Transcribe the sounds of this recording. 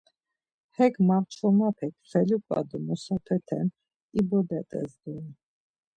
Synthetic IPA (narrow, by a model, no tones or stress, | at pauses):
hɛkmaɾt͡ʃʰɔmapʰɛk̚ʰχɛlukʼa̰d̪umɔsapʰɛt̪ʰɛn | ibɔd̪ɛt̪ʼɛ̰zd̪un